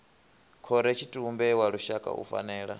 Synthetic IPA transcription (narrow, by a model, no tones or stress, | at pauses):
kʰɔɾɛt͡ʃʰitʼumbɛwaɺuʃakʼa̰ṵfa̰nɛːɺa̰